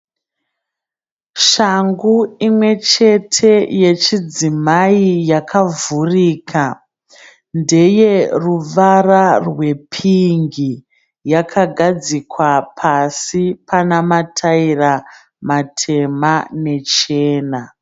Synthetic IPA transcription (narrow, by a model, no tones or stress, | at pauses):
ʃaŋɡuimwe̞t͡ʃe̞tʰe̞je̞t͡ʃid͡zimaijakʰavuriːkʰa | nde̞je̞ruʋararwe̞pʰiŋɡi | jakʰaɡʱad͡zikwapʰasipʰanamatʰaira | matʰe̞mane̞t͡ʃeːna